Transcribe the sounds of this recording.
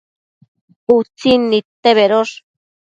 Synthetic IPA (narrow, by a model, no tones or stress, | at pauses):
ut͡sinit̪eβeɾoʂ